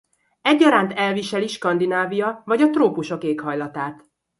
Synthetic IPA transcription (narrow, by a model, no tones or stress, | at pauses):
ɛɟːɒɾaːnt̪ɛlviʃɛliʃkɒnd̪inaːvijɒvɒɟɒt̪roːpuʃo̞keːkhɒjlɒt̪aːt̪